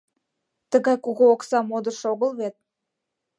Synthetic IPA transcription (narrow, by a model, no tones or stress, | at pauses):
t̪əɣɑjkuɣoːksɑmod̪ərʃoɣəlβet̪̚